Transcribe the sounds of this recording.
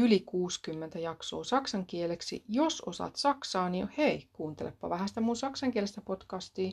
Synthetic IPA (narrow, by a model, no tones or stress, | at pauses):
ylikuːskymːent̪æjɑkso̰ːsɑksɑŋkieleksḭjososɑ̰t̪sɑksɑːniheikuːnt̪elḛpːɑ̰ʋæhæst̪æmunsɑksɑŋkielest̪æpot̪kɑst̪iː